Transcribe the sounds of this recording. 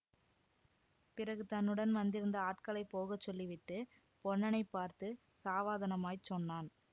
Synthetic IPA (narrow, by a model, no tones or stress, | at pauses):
pɪrɐɣɯt̪ɐnːɯɽɐnʋɐnd̪ɪɾɯnd̪ɐaːʈ̚kɐɭɐɪpːoːɣɐt͡ʃːɔlːiʋɪʈːɯ | pɔɳːɐnɐɪpːaːɾt̪ɯ | saːʋaːðɐnɐmaːjt͡ʃːɔnːaːn